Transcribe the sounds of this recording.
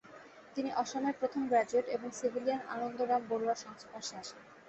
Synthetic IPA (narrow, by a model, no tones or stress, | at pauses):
t̪iniʔɔʃoneɾpɾot̪ʰombɾad͡ʑeʈeboŋsibʱiliana̰nond̪oɡɾamboɾuaɾʃɔŋspaʃaʃen